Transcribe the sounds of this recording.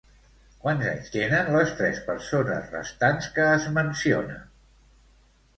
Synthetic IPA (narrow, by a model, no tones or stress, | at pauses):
kwanza̰ɲst̪enənləst̪ɾɛspəɾsonə̰zrə̰st̪anskəːzmənsio̰nə̰